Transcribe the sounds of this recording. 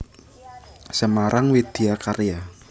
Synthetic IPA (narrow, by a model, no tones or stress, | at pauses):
səmaɾʔaŋwid̪̥e̤akareja